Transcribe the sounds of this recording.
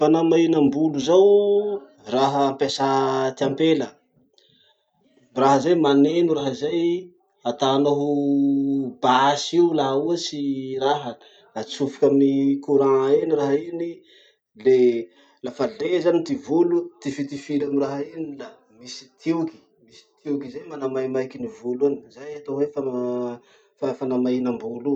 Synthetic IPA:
fanamainambuluzaw | raɦəːmpesat̪iampelə | raɦəzajmanenuraɦəzaj | at̪anoɦ | basiulaɦuəsiraɦə | lat͡sufi̥kʲamnikuɾãeniraɦaini | le | lafalezanit̪ivulut̪ifit̪ifilamiraɦainila | misi̥t̪ʰiuki̥ | misi̥t̪ʰiukizajmanamajmajkinivuluanizajat̪oɦwefan | fafanamainambulu

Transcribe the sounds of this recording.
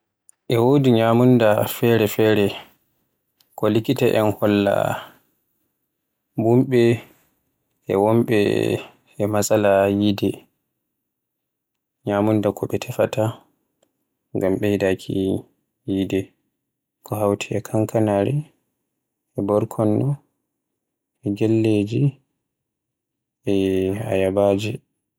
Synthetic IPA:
ʔɛwodiɲamundafɛɾɛfɛːɾɛ | kɔlikitaʔɛnhɔlːa̰ | bumɓɛ | ɛwɔmɓɛ̰ | ɛmasalajidɛ | ɲamundakʰɔɓɛtʰɛfata | ŋɡamɓɛjdakʰḭ | jidɛ | kɔɦawtʰiɛkʰaŋkʰanaɾɛ | ɛbɔɾkʰɔnːɔ | ɛɡɛlːed͡ʒi | ɛa̰jabaːd͡ʒi

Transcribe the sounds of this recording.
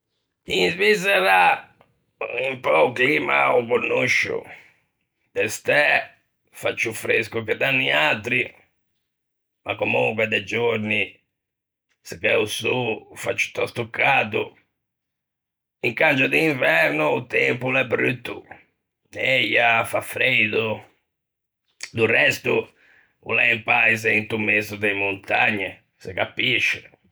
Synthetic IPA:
izvizɛɾa | impɔuklima̰uɣonːuʃṵ | d̪ɛst̪ɛ | fat͡ʃːufɾeskukɛd̪anːiat̪ɾi | makːomuŋkwɛd̪ɛd͡ʒoɾni | sikɛusufa̰t͡ʃːu̥t̪ɔst̪ukːad̪u | iŋkand͡ʒud̪iːɱvɛɾnuːt̪ɛmpulɛbɾy̰t̪ːṵ | nɛjafafɾed̪u | d̪urɛst̪u | ṵlɛimpaizɛint̪umezud̪ɛmːunt̪aɲːɛ | sɛkapiʃːɛ

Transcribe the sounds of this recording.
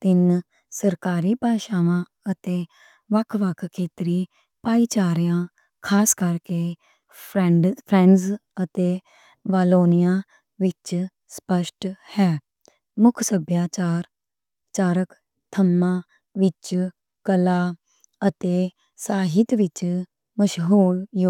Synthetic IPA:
t̪ɪn | səɾkaːɾiːpaːʃaːʋãː | ət̪eː | ʋəkʰʋəkʰkʰːeːt̪ɾiː | paːiːt͡ʃaːɾjãː | kʰaːskəɾkeː | pʰɾɛɖpʰɾɛ̃ːɳɖzət̪eː | ʋaːloːnɪjãː | ʋɪt͡ʃ | spəʃʈhɛː | mʊkʰsəbjaːt͡ʃaːɾ | t͡ʃaːɾək | t̪ʰəmːãː | ʋɪt͡ʃ | kəlaː | ət̪eː | saːɦɪt̪ʋɪt͡ʃ | məʃɦuːljoː

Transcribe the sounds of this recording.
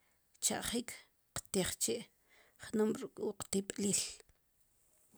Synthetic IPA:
t͡ʃa̰ʔχiːkʰ | qt̪iχt͡ʃeʔ | χnomɾukʼuqt̪iɓʼliːl

